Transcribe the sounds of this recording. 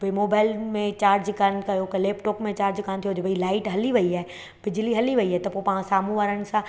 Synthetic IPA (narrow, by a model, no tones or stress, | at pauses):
bimoːbaːɪlmẽt͡ɕaːɾd͡ʑkankɐjokɐleːpʈoːkmẽt͡ɕaːɾd͡ʑkant̪ʰijoɦʊd͡ʑebʱɐilaːɪʈɦɐliʋɐiaːe | b̥ɪd͡ʑliɦɐliʋɐiaːɦet̪ɐpopɐːãsaːmũʋaːɾəɽɪ̆sã